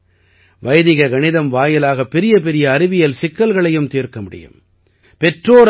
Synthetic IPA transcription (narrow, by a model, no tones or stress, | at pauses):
ʋɐjðɪɣɐɡɐɳɪðɐmʋaːjɪlaːɣɐpːɪɾɪjɐp̬ɛɾɪjɐːɾɪʋɪjɐlsɪkːɐlɣɐɭɐjɯmt̪iːɾkɐmʊɽɪ̰jɯ̰m | pɛʈroːɾ